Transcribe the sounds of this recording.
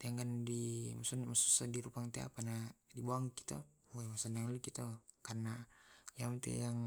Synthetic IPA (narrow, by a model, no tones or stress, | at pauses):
t̪eaŋɡandimasunmasusadiɾupaŋt̪ea̰panadiboaŋki̥t̪a̰ | amasanaŋlikit̪akarnajamt̪ḛjaŋ